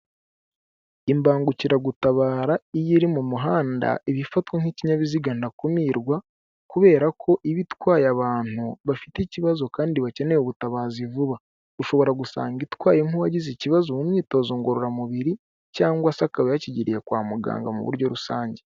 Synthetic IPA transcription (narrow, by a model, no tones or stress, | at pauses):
imbaːŋɡuciɾaɡutaβaːɾaijiɾimumuɦaːnda̰ʔiβifatkwaŋ̥hiciɲaβiziɡandakumiɾɡwa | kuβe̞ːɾakʰo̞ʔiβitwaːjaβaːn̥huβafi̥teiciβazo̞kaːndiβace̞ne̞juβutaβaːzivuβa | uʃo̞βo̞ɾaɡusa̰ːŋɡitwaːjeŋuβaɟiziciβazomumɲiːto̞zoŋɡo̞ɾoɾamuβiɾi | caːŋɡwasakaβajaciɟiɾije̞kwaːmuɡa̰ːŋɡa̰mṵβṵɾɟo̞ɾusaːɲɟe